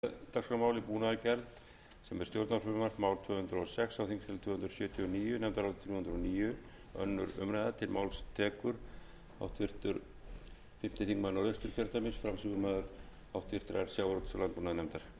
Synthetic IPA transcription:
t̪aksfamawlipuːnaðacɛɾlt̪ | sɛmɛ̥st̪jowɾt̪naɾfʏmʏmaɾmaːwlt̪ʰvœːhʏnt̪ɾɔsɛksawθiŋkst̪ʰɪlt̪ʰvœːhʏnt̪ɾʏ̥sjœːt̪ʰiɔniːjʏnɛmnt̪aɾawt̪t̪ʰɾjhʏnd̪ɾɔniːjʏ | œnːʏɾʏ̰mɾajðat̪ʰɪlmawlst̪ʰɛːkʏɾ | a̰wt̪fɪɾ̥t̪ʏɾ | fɪm̥t̪ɪθiŋkmanːawɾœjst̪ʏɾ̥cʰɛɾt̪amɪsfɾamsɪkʏmað | awt̪ʰfɪr̥t̪ʏɾaɾsjawɾɔt̪saɾlanpuːnaðɪnɛmt̪aɾ̥

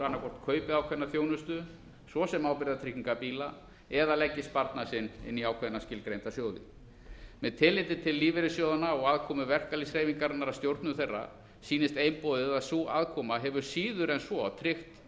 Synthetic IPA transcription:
anːaɾkʰɔr̥t̪kʰœːɥpɪaːwkʰvɛnaθjownʏst̪ʏ | svɔsɛmaːwpɪɾɪðat̪ʰɾɪhkɲiŋkapiːla | ɛðalɛcːɪst̪̚paɾt̪nasɪnɪ̰nːiaːwkʰvɛðnascɪlkɾejnt̪asjoːwðɪ̰ | mɛðt̪ʰɪlːɪt̪ɪt̪ʰɪlːiːvɪɾɪsjowðanaɔɣaðkʰɔːmʏvɛr̥kalisɾeːjviŋkaɾnːaɾast̪jowɾt̪nʏθejrːa̰ | siːnɪst̪ejmpoːðɪðaðsua̰ðkʰɔːmaɦɛvʏɾ̥siːðʏɾɛnsvɔt̪ʰɾɪxt̪

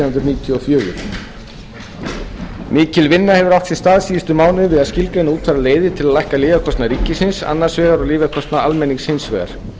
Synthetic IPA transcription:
hʏnt̪ɾʏniːt̪ʰjɔɔfjœːɾʏ | miːcɪlvɪnːahɛvʏɾawht̪sɪ̥st̪aːðsiːst̪ʏmaːwnɪvɪðaðscɪlkaɪnauːt̪ʰfaɾaleːjðɪt̪ʰɪlaðlajhkalɪːvakʰɔst̪naɾiːcːɪsɪnsa̰nːaɾ̥svɛːɣaɾaliːvakʰɔst̪naalmɛnːiŋkshɪnsvɛːɣa̰ɾ̥

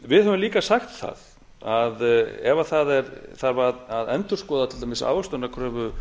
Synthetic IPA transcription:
vɪðɦɛvʏmliːkasaxt̪θa̰ð | aðɛvaθaðɛɾθaɾvaðaðɛnt̪ʏ̥skɔːðat̪ʰɪlt̪amɪsa̰ːwvast̪ɔnːakʰɾœːvʏ

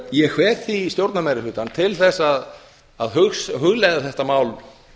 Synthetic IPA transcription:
jɛxvɛːt̪θist̪jowɾt̪namajɾɪlʏːt̪ant̪ʰɪlθɛsːað | aðɦʏxsɦʏɣlɛjɣðʏθɛht̪amaːwl

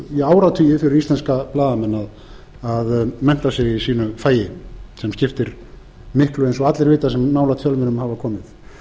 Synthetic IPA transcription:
jɛaːwɾat̪ʰʏjɪfɪɾɪɾist̪ɛnskaplaːðamɛnːað | aðmɛn̥t̪asjɛɣisiːnʏfaːjɪsɛmscɪft̪ɪɾ | mɪhklʏensɔɣat̪lɛɾvɪːt̪asɛmːaːwlat̪ʰjœlmɪnʏmhavakʰɔːmɪθ

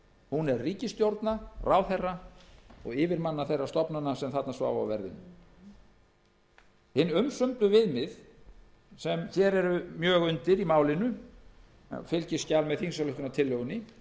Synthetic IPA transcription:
hunɛrriːcɪst̪jowɾt̪naraːwθɛrːaɔɣɪːvɪɾmanːaθejrːast̪ɔpnanːasɛmθat̪nasva̰ːwvaa̰vɛɾðɪ̰nːʏ̰ | hɪnːʏmsʏmp̪lʏvɪðmɪð | sɛmçjɛɾɛɾʏmjœːɣʏnt̪ɪɾimaːwlɪnʏ | fɪlcɪscalmɛðθinsalʏht̪ʏnat̪ʰɪlːœɣʏnːɪ

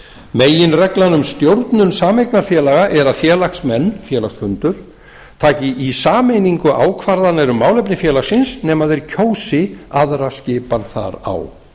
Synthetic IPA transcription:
meːjɪnrɛklanʏmst̪jowɾt̪nʏnsaːmejknaɾfjɛːlaɣaʔɛɾaðfjɛːlaxsmɛnːfjɛːlaksfʏnt̪ʏɾ̥ | t̪ʰaːcɪʔisaːmejniŋkʏʔa̰ːwkʰvaɾðanːɛɾʏmːaːwlɛp̬nɪfjɛːlaxsɪnsnɛːmaðɛɾ̥cʰoːwsɪaðɾascɪːpanθa̰ɾa̰w

